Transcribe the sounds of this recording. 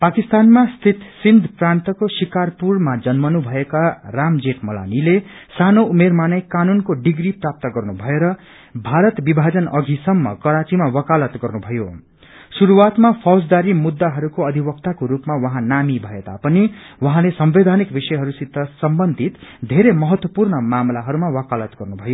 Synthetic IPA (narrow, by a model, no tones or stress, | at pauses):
pakist̪anmast̪ʰit̪sind̪ʱprant̪ʌkosikarpurmad͡zʌnmʌnubʱʌekaramd͡zeʈmʌla̰nilesanoumermanʌjkanunkoɖiɡriprap̚t̪ʌɡʌrnubʱʌeɾʌ | bʱaɾʌt̪bibʱad͡zʌnʌɡʱisʌmːʌ̰kʌɾat͡simawʌkalʌt̪ɡʌrnubʱʌjo | suɾuwat̪mapʰʌwsd̪aɾimud̪ːaɦʌɾukoʌd̪ʱibʌkt̪akoɾupmawʌɦãnamibʱʌet̪a̰pʌniwʌɦãlesʌmbed̪ʱanikbisʌjɦʌɾusid̪ʱːʌsʌmbʌnd̪ʱit̪d̪ʱeɾemʌɦʌt̪wʌpurnʌmamlaɦʌɾumawʌkalʌt̪ɡʌrnubʱʌjo